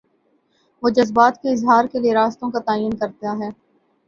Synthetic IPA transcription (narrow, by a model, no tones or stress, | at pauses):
ʋoːd͡ʒɐzbaːt̪keɪzɦaːɾkelijeɾaːst̪õkat̪aːiːənkɐɾt̪eaɦɛː